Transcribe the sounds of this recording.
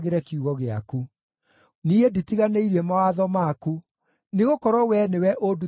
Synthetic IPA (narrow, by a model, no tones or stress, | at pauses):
ɣeɾɛkuɣɔɣea̰ku | nieditiɣaneiɾɛmawaðɔmaku | neɣokɔɾɔwɛnewɛʔodu